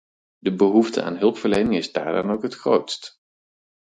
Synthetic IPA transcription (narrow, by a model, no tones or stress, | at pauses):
dəbəɦuftə̰a̰ːnɦɵlˠpfəɹlejnɪŋɪzda̰ːɹa̰ːnowkɦətχro̰wtst